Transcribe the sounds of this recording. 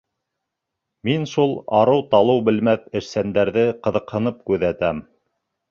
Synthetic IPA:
minʃulˠɑ̰ɾɤwt̪ɑlˠɤwbɘ̆lmæθɘ̆ɾsænd̪æɾðɘqɤ̆ðɤ̆qhɤ̆nɤp̚kʉðæt̪æm

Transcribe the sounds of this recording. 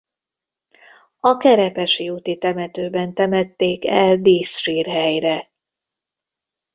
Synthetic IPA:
ɒkɛɾɛpɛʃiut̪it̪ɛmɛt̪øːbɛnt̪ɛmɛt̪ːeːkɛld̪iːsʃiːrɦɛjrɛ

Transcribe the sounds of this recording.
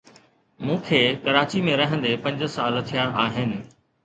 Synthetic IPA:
mũːkʰeːkɐɾaːt͡ɕimẽɾɐɦə̃nd̪epɐ̃ɲd͡ʑ̆saːlt̪ʰijaʔaːɦɪnɪ̆

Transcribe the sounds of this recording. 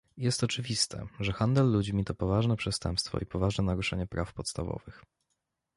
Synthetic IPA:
jɛst̪ɔt͡ʂɘvʲist̪ʰɛ̰ʐɛxand̪ɛlːud͡ʑmʲit̪ɔpɔvaʐnɛpʂɛst̪ɛ̰mpst̪fɔ̰ipɔvaʐnɛnaɾuʂɛɲɛpɾafpɔt̪st̪avɔ̰vɘx

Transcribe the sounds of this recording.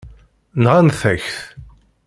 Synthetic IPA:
nʁanθæçθ

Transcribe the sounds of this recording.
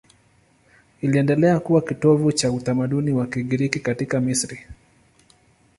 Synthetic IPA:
iliɛndɛlɛakuwakitɔvut͡ʃautamaɗuniwakiɠiɾikikatikamisɾi

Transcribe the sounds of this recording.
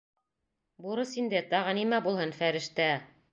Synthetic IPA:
buɾɤsind̪ɘt̪ɑʁɤnimæbulˠhɤnfæɾɘ̆ʃt̪æ

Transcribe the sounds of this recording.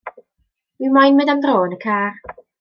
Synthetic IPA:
mimajnmədamdroːnəkʰaːr

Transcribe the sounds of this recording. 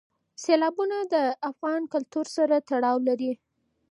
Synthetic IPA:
selɑbunad̪əafɣɑnkʊlt̪uɾsaɾat̪aɽɑwlaɾi

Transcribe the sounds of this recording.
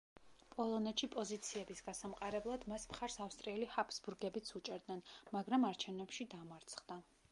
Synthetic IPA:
pʼɔlˠɔnɛt̪ʃipʼɔzit̪sʰiɛbisɡ̥asamqʼaɾɛblˠad̪masmχaɾsafst̪ʼɾiɛlihapʰsbuɾɡɛbit̪sʰut͡ʃʼɛɾd̪nɛnmaɡɾamaɾt͡ʃʰɛvnɛpʃid̪amaɾt̪sʰχd̪a

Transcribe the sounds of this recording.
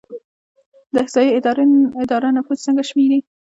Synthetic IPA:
d̪əhzɑjiɪɾɪd̪ɑɾanafuzt͡səŋɡaʃmiɾi

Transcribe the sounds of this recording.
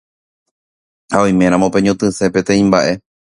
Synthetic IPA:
haojmẽ̞ɾ̃ãmõ̞pẽ̞ɲõt̪ɨ̃se̞pe̞t̪ẽ̞ĩmbaʔe̞

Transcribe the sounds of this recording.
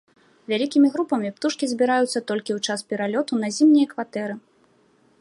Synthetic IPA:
vʲalʲikʲimʲiɣɾupɐmʲipt̪uʂkʲizʲbʲiɾajut̪sːɐt̪ɔlʲkʲiwt͡ʂaspʲɛɾalʲɔt̪unɐzʲimnʲijɐkvat̪ɛɾɨ

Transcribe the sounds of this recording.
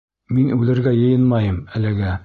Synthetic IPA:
minʉlɘ̆ɾɡæjɤ̆jɤnmɑjɤmælɘ̆ɡæ

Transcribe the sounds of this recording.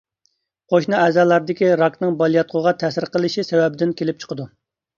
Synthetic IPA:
qʰoʃnɑɛzɑːlˠɑɾd̪ɪkʲiɾɑknɨŋbɑlˠijɑt̪̚qʰʊʁɑt̪ʰɛsɪɾqəlˠɨʃisɛwɛbɪd̪ɪnkʲʰelɪp̚t͡ʃʰə̥qʰəd̪u

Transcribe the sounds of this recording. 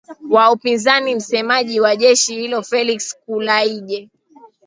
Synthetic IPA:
waupinzanim̩sɛmaʄiwaʄɛʃihilɔfɛlikskulaiʄɛ

